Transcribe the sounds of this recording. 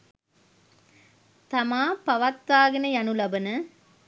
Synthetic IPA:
t̪ɐmaːpɐʋɐt̪ːaːɣɐnɐjɐnulɐbɐnɐ

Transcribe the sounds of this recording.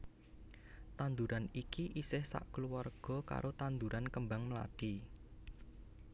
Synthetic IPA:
t̪and̪uɾʔanikiʔisɪhsa̰ʔkluwarɡ̥ɔ̤ka̰ɾʔot̪and̪uɾʔankəmbaŋməla̰ɖ̥i

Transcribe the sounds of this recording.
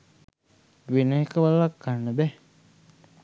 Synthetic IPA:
wenəɦekəwalakːanːəbɛ

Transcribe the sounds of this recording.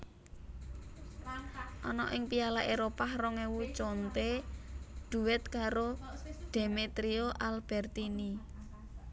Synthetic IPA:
ʔɔnɔ̰ʔɪŋpialaʔeɾopahrɔŋewut͡ʃont̪e | ɖ̪̥ṳwɪt̪̚kaɾoɖ̪̥emet̪ɾioʔalb̥ɛrt̪ini

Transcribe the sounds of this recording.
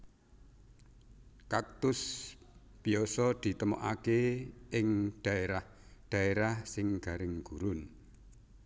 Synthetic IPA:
kak̚t̪ʊs | piɔsɔd̪̥i̤t̪əmɔ̰ʔakeɪŋɖ̥a̤eɾah | ɖ̪̥a̤eɾahsɪŋɡ̥a̤ɾɪŋɡ̥uɾʊn

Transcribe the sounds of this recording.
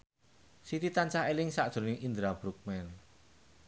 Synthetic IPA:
sit̪it̪ant͡ʃahelɪŋsaʔd̪̥o̤nɪŋʔind̪ɾab̥ɾuk̚mɛn

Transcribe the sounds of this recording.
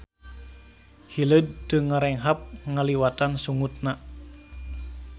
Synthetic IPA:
hiləd̚ːəŋaɾɛŋɦap̚ŋaliwat̪ansuŋut̪̚na

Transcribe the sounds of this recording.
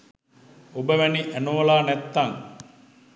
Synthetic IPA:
obəʋæniʔænoːlaːnæt̪ːaŋ

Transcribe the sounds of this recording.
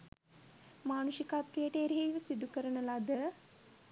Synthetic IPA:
maːnuʃikat̪ɾijəʈeːɾɦejʋəsid̪ukəɾənəlad̪ə

